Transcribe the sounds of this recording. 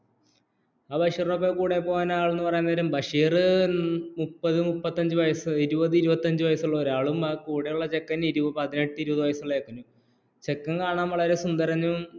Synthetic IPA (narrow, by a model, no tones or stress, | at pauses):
aːbɐʂiːrop̬ːekuːɽepːoːɣaːnaːɭenːɨpɐrɐjinːɐðɐɾumbɐʂiːrɨ | mupːɐðɨmupːɐt̪ːɐɲd͡ʑɨʋɐjɐsɨiɾubɐðɨiɾubɐt̪ːɐɲd͡ʑɨʋɐjɐsuɭːɐoɾaːɭumɐkuːɽejuɭːɐt͡ɕekːɐniɾubɐpɐðineʈːɨiɾubɐðɨʋɐjɐsɐɭːeːkːunːu | t͡ɕe̞kːɐnkaːɳaːmʋɐɭɐɾesund̪ɐɾɐɲːum